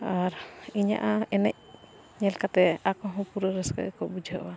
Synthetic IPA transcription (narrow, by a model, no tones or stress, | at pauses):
aɾiɲa̰ʔaɛnɛc̚ | ɲɛlkat̪ɛakɔɦɔ̃puɾəɾəskə̰ʔəkɔbud͡ʒʱəʔɔ̰wa